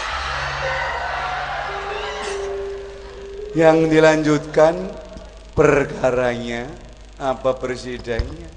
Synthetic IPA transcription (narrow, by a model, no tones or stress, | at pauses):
jaŋdilaɲd͡ʒut̪̚kan | pərkaɾaɲa | apapərsidaɲa